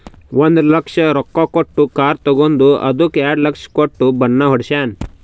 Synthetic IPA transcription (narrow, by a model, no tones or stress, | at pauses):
ʋond̪lɐkʂɐɾɔkːokoʈːukaːɾt̪ɐɡond̪uɐ̰d̪ukeːɖlɐkʂkoʈːubɐnːɐɦɔɽʃaːn